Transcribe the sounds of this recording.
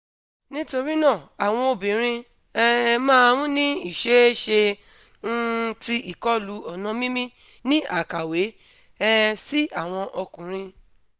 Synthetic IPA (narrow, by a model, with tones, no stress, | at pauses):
nĩ˦to˧ɾi˦nãː˦˨a˨w̃ɔ̃˧o˧bĩ˨ɾ̃ĩ˧ | ɛ˦˧mãː˦˧ɾũ˦nĩ˦i˦˨ʃe˦ʃe˧˦ | ti˧ʔi˨kɔ˦lu˨˦ɔ˨nɔ̃˧mĩ˦mĩ˦ | nĩ˦ʔa˨ka˨we˨˦ | ɛ˦˧si˦a˦˨w̃ɔ̃˧ʔɔ˧kũ˨ɾ̃ĩ˧